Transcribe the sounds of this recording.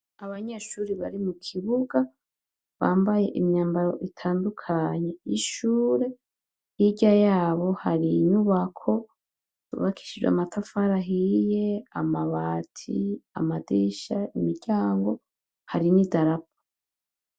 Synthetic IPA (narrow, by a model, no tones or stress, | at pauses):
aβaɲe̞ʃuːɾiβaɾimukʰiβuɡa | βaːmbaje̞ʔimɲaːmbaɾo̞̰ʔitʰaːndukʰaɲe̞iʃuːɾe̞ | hiɟajaːβo̞haɾinuβakʰo̞ | uβakʰi̥ʃid͡ʒwḛa̰matʰafaɾaɦije̞amaβaːtʰḭa̰madiʃaimiɾɟaːŋɡo̞ | haɾinidaɾap̚ḁ